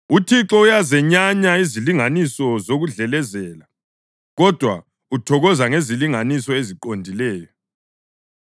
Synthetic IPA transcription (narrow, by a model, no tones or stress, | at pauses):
utʰiǁɔujazɛɲaɲaiziliŋanisɔzoɣuɮɛlɛzɛːla | ɣɔd̥ʱwa̰ | utʰɔɣɔzaŋeziliŋanisɔeziǃondʱilɛːjɔ